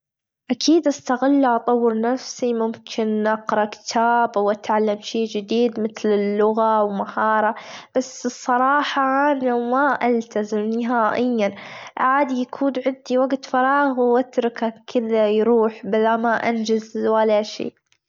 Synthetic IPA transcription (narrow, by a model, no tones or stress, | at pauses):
ʔakʰiːd̪ʔast̪aɣalːaʔɑt̪ˤɑwːəɾnafsimʊmkʰɪnʔɑqɾˤɑʔkɪ̥t̪ʰaːbawʔat̪ʕalːamʃeːd͡ʒɪd̪iːd̪mɪθlɪlːʊɣawmahɑːɾˤɑb̥asɨsˤːɑɾˤɑːħɑʔanamaʔalt̪ʰazɪmnɪɦaːʔɪjːanʔʕaːd̪ijakʰuːnʕɪd̪iwaɡt̪fɑɾˤɑːɣwʔat̪ɾɪkakʰɪðajɾuːħbɪlamaʔand͡ʒazwalːaʃḛː